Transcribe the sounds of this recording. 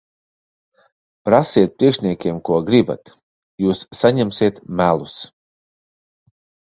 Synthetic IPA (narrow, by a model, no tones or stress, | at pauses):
pɾasiɛt̪̚pɾiɛkʃnʲiɛkʲiɛmkuɔɡɾiba̰t̪ | juːsːaɲɛmsiɛt̪mælˠus